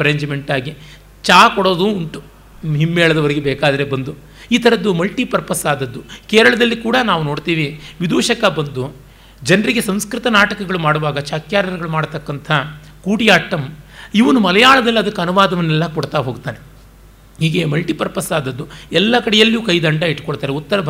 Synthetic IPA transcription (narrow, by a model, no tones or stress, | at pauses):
pɐɾeːɲd͡ʒmeɳʈaːɡi | t͡ʃaːkɔɽo̞ːd̪uːɳʈu | ɦimːeːɭɐd̪ɐʋɐɾeɡebɛːkaːd̪ɐɾebɐnd̪u | iːt̪ʰɐɾɐd̪ːumɐlʈipɐɾpɐsaːd̪ɐd̪ːukeːɾɐɭɐd̪ɐlːikuːɽɐnaːʋuno̞ːɽt̪iːʋiʋid̪uːʂɐkɐbɐnd̪u | d͡ʒɐnɐɾiɡe̞sɐmskɾit̪ɐnaːʈɐkɐɡɐɭumaːɽuʋaːɡɐt͡ʃaːkjaːɾɐɾɐɡɐɭumaːɽt̪ɐkːɐnt̪ʰɐ | kuːʈijaːʈːɐmiʋɐnumɐlɐjaːɭɐd̪ɛlːɐd̪ɐkːɐnuʋaːd̪ɐʋɐnːɛlːɐkɔɽt̪aːɦoːɡut̪aːne | ɦiːɡe̞mɐlʈipɐɾpɐsaːd̪ɐd̪ːuɛlːɐkɐɽɛjɐlːijukɐjd̪ɐɳɖaiʈːkoɽt̪aːɾeut̪ːɐɾɐbʱ